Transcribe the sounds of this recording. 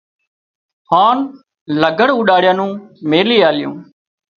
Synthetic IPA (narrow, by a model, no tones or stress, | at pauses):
haːn | ləɡəɽuːɗaːɽɪjãːnũːmeːliːaːlɪjõ̰ː